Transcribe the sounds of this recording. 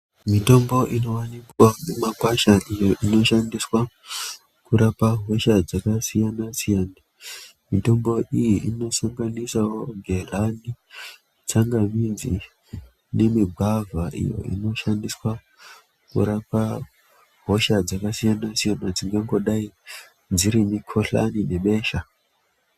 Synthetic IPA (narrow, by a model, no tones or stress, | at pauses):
mito̞mbo̞ʔino̞wanikwanemakwaʃaʔijo̞ʔino̞ʃandiswa | kuɾapaɦo̞ʃad͡zakasijanasijaːna | mito̞mbo̞ʔijiʔino̞saŋɡanisawo̞ɡʱelani | t͡saŋɡamind͡zi | ne̞miɡʱavʱaʔḭjo̞̰ḭno̞ʃandiswa | kṵɾapa | ɦo̞ʃad͡zakasijanasijanad͡ziŋɡaŋɡo̞ɗai | d͡ziɾimikʰoɬa̰nine̞ɓe̞ːʃa